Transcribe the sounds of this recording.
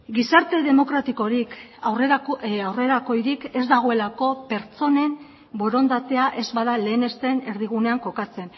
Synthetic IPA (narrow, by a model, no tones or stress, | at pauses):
ɡisaɾt̪e̞ðe̞mo̞kɾat̪iko̞ɾikarekoawre̞ɾako̞jɾike̞zd̪aɣ̞o̞e̞lako̞pe̞ɾt͡so̞ne̞m | bo̞ɾo̞nd̪at̪e̞aʔe̞zβaðale̞ːne̞st̪e̞ne̞ɾðiɣ̞une̞aŋko̞kat͡se̞n